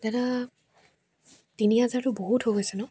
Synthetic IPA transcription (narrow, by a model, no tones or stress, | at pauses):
dɛɾa | tiniɦazaɹtʊboɦutɦojɡojsɛnʊ